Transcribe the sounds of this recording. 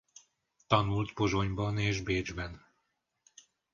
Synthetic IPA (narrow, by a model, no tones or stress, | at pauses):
t̪ɒnult̪bo̞zoɲbɒneːʒbeːd͡ʒbɛn